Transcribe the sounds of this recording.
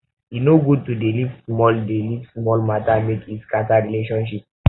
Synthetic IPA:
inoɡud̚tudelivsmɔldelivsmɔlmatamekitkataɹileʃɔ̃nʃip

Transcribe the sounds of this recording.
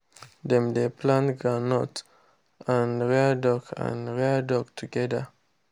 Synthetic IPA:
d̪ɛ̃mdepʰlãntɡɹanɔt | ãnɹeadɔkʰã̰nɹɛadɔk̚tʰuɡɛda

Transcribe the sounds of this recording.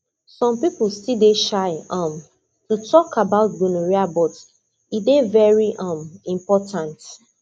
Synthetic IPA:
sɔ̃mpiplstideʃaɪʌ̃m | tutʰɔkʰabaʊt̚bunuɹiabɔt | idevɛɹiʔʌ̃mĩmpɔtʰãnt

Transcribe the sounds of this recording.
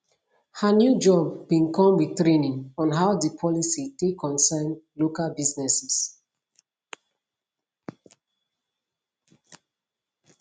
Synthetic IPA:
hanjud͡ʒɔbːĩnkɔ̃mwitɹenĩŋɔ̃nɦaʊdəpʰɔlisitekʰːɔ̃nsɛnlokalbiznɛsɛs

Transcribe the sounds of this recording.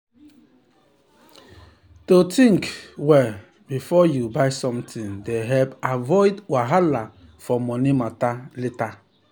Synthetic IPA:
totʰĩŋkwɛ | bifɔjubaɪsɔ̃mtĩndeɦɛlpavɔɪdwaɦala | fɔmɔnimataleta

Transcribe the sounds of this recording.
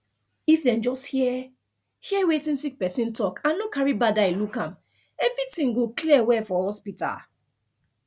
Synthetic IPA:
ifdɛ̃md͡ʒɔsthiɛ | hiɛwetĩnsik̚pɛsĩntɔkãnːokaɹibadailukãm | ɛvɹitĩŋɡokliɛwɛfɔhɔspita̰

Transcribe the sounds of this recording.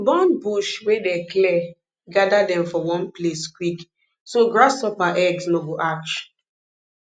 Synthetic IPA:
bɔ̃nbuʃwedɛklɛ | ɡadadɛ̃mfɔwɔ̃npleskwik | soɡɹasɔpaʔɛɡsnoɡoʔakt͡ʃ

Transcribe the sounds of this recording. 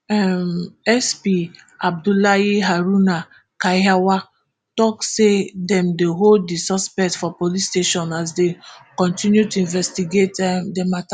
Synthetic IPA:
ɛmɛspi | ab̚dulaiɦaɾuna | kaawa | tɔksedɛ̃mdeɦold̚disɔspɛk̚tfɔpolisteʃɔ̃nas̬dekɔ̃ntĩnjutuĩnvɛstiɡetɛmdemata

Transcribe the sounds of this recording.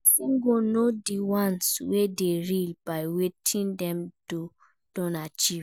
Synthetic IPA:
siŋɡonodiwãnswedeɾilbajwetʰĩndɛ̃md̥o | d̥ɔ̃nat͡ʃiv

